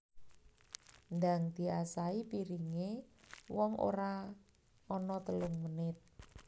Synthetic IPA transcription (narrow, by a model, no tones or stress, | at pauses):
nd̪aŋd̪̥i̤asaipiɾiŋewɔŋo̰ɾa | ɔnɔt̪əlʊŋmənɪt̪̚